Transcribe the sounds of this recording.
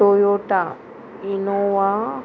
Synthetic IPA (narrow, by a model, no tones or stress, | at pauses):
ojoʈa | inowa